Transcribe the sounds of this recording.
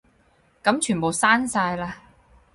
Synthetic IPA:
kɐ˨˥mt͡ʃʰyː˨˩po˨wsaː˥nsaː˧jlaː˧

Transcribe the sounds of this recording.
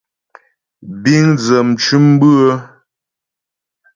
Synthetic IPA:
bi˦ŋd͡zə˨mt͡ʃʉ˦m˦bʉ˦ə˦

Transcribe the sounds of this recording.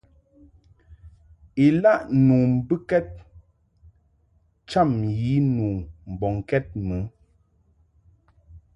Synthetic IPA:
i˨la˦˨ʔnuː˨m̩˦bɨ˦kɛ˦t̚ | t͡ʃa˦˨mji˨˦nuː˨m̩˨bɔ˨ŋ˨kɛ˦t̚mə˨˦

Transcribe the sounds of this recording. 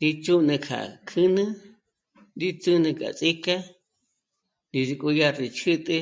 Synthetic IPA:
d̪i˧t͡ʃu˦nɨ̃˧kʰa̰˨kʰɨ˦nɨ̃˦ | d̪i˦t͡sɨ˦nɨ̃˧kʼa̰˨t͡sʼi˦ka˦ | di˧zi˧kʼu˧ja˧ɾi˨t͡ʃʰɨ˦t̪ʼɨ˧

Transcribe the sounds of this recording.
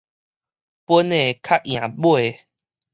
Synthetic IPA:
pwə˦ne˥˨kʰa˦ʔ̚j̃ã˨˩bwe˥˨

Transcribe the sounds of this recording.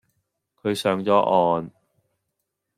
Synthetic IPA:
kʰɵ˨˧ɥsœː˨˧˥ŋt͡sɔː˨˧˥ʔɔː˧n

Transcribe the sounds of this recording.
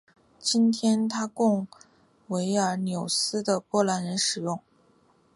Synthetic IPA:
t͡ɕi˥nt̪ʰjɛ˥nt̪ʰa˥kʊ˥˩ŋ | we˧˥ɪə˞˧˥njo˨˩ʊsɹ̩˥d̪ə˨kwɔ˥˩la˧˥nɻə˧˥nʂɻ̩˨˩jʊ˥˩ŋ

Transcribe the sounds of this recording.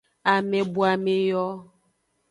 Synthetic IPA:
a˨mɛ˨bu˨˦a˨me˨jɔ˦

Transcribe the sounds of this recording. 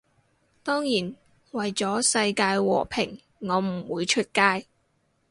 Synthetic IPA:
t̪ɔː˥ŋjiː˨˩n | wɐ˨jt͡sɔː˨˥sɐ˧jkaː˧jwɔ̰ː˨˩pʰɪ˨˩ŋ | ŋɔː˨˧m̩˨˩wuː˨˧jt͡ʃʰɵ˥t̚kaː˥j

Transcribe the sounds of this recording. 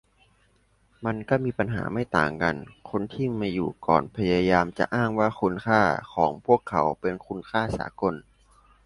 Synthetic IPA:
ma˧nkaː˥˩miː˧pa˧nɦa̰ː˩˦ma˥˩jt̪a̰ː˨˩ŋka̰˧nkʰo˧nt̪ʰiː˥˩maː˧jṵː˨˩kɔ̰ː˨˩npʰa˧jaː˧jaː˧mt͡ɕa̰˨˩ʔaː˥˩ŋwaː˥˩xʰu˧nkʰaː˥˩kʰɔ̰ː˩˦ŋpʰu˥˩əkʰːa˩˦wpe˧nkʰu˧nkʰaː˥˩sa̰ː˩˦ko˧n

